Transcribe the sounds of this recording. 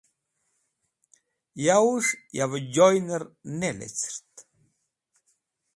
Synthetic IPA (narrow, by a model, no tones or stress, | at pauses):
jauʂjavəd͡ʑɔjnəɾnɛlɛ̰t͡sɾt̪